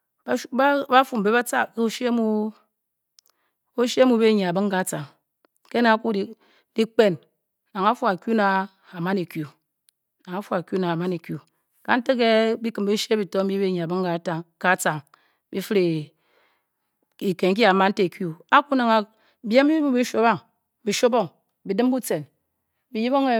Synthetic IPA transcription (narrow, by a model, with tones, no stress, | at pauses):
ba˦fu˨m̩˨be˦ba˦t͡sa̰˦˨kke˦o˦ʃmu˦ | o˦ʃe˦mu˨˦be˦˨ɲa˨a˨bɨ˦ŋ˦ɡa˨t͡sa˨ŋ | ke˦na˨˦ku˦˨ | di˦k͡pe˦˨n | na˨ŋa˦fu˦a˨kʲu˦na˨ | a˨ma˦ne˨kju˨ | na˨ŋa˦fu˦a˨kju˦na˨a˨ma˦ne˨kju˨ | ka˦n̩˦te˦ke˦bi˦kɨ˨m̩˨bi˦ʃe˦bi˨to˦m̩˦bi˦be˦˨ɲe˨a˨bɨ˦ŋ˦ka˨˦ta˨ŋka˦t͡sa˨ŋ | bi˦fɨ˦ɾe˨ | i˨ke˨ŋ̩˦k̬i˦a˨ma˦n̩˦te˦˨kju˦a˦ku˦na˨ŋa˨ | bi˦e˦m˦bi˦bu˦bi˦ʃo˦ba˦ŋ | bi˨ʃo˦bo˦ŋ | bi˨dɨ˦m˦bu˦t͡se˨n | bi˨ji˦bo˦ŋe˨